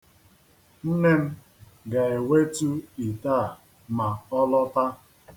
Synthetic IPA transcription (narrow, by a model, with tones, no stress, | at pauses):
n̩˦ne˦m̩˦ | ɡa˨e˨we˦tu˦i˨ta˦˨ | ma˨ɔ˦lɔ˦ta˦